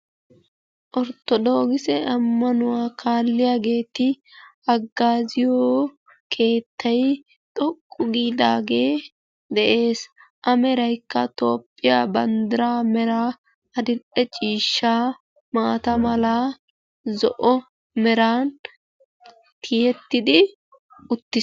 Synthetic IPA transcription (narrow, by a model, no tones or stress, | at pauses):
ʔɔɾt̪ːɔd̪oːɡɪsɛʔɐmːɐnʊwaːkʰaːlːɪjaːɡe̞ːt̪ɪ | ɐɡːaːzɪjoː | kʰe̞ːt̪ːɐj | t̪ʼɔkʼːʊɡiːd̪a̰ːɡe̞ː | d̪ɛʔe̞ːsʔɐmɛɾɐjkːɐt̪o̞ːpʼːɪjaːbɐnd̪ɪɾaːmɛɾa | ɐd̪ɪɗɛt͡ʃʼiːʃːaː | maːt̪ɐmɐla | zɔʔɔ | mɛɾaːn | tʰɪjɛt̪ːɪd̪ɪ | ʊt̪ːɪs